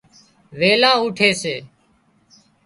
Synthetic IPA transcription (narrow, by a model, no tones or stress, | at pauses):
ʋeːlãːuːʈʰeːseː